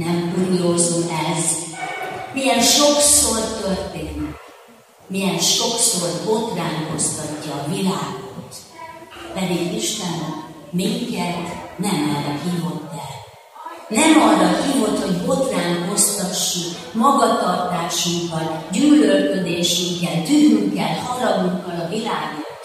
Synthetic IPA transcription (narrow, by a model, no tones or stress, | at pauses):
nɛmpuːjozoːʔɛz | mijɛnʃo̞ksort̪ørt̪eːnik | mijɛnʃo̞kso̞rbo̞t̪raːŋko̞st̪ɒcːɒːvilaːɡot̪ | pɛd̪iɡiʃt̪ɛnɒ | miŋkɛt̪nɛmɒrːɒhiːvo̞t̪ːɛl | nɛmɒrːɒhiːvo̞t̪ho̞ɟbo̞t̪raːŋko̞st̪ɒʃːukmɒɡɒt̪ɒrt̪aːʃuŋkɒlɟyːlølkød̪eːʃyŋkɛlt̪ynyŋkːɛlhɒɾɒɡ̪uŋkːɒlɒvilaːɡot̪